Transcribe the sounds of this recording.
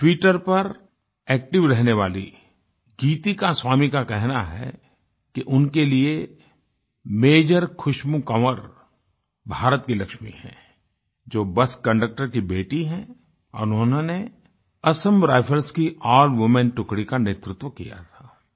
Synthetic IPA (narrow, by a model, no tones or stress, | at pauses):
ʈwiːʈəɾpɐɾ | ɛːk̚ʈɪʋɾɛɦneʋaːlḭ | ɡiːt̪ikaswaːmikakɛɦnaɦɛ̰ | kiʔʊnkelie | meːd͡ʒəɾkʰʊʃmukəməɾ | bʱaːɾət̪kilɐkʃmihɛ̰̃ː | d͡ʒoːbɐskɐ̃ɳɖək̚ʈəɾkibeːʈiɦɛ̃ | ɔ̰ːɾʊonõne | ɐsəmɾaːɪfʰəlskiaːlʋɪmɛ̃nʈʊkɽikaneːt̪ɾɪt̪wəkḭja̰t̪ʰaː